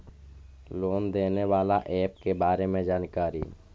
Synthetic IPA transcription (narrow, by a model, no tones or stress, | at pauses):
loːnd̪eːneʋaːlaʔɛːp̚kebaːɾemẽd͡ʒaːnkaːɾḭ